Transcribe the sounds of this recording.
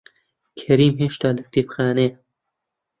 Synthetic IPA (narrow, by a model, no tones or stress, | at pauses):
kʰɐɾiːmɦeʃt̪aːlɐk̚t̪ipxaːne